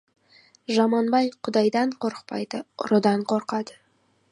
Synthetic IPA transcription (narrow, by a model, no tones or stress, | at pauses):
ʒɑmɑnbɑjqʰʊd̪ɑjd̪ɑɴqʰoɾqpɑjd̪ɨʊɾod̪ɑɴqʰoɾqɑd̪ɪ